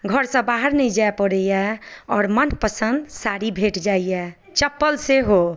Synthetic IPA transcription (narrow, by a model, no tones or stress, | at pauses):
ɡʱəɾsə̃baɦəɾnəid͡ʒaepəɽəjɛɔːɾmənpəsənd̪saɾibʱeʈd͡ʒaijɛ | t͡ʃəpːəlseɦo